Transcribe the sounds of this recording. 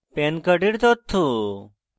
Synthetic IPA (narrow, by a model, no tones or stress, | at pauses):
penkəɖiɽt̪ot̪ʰːu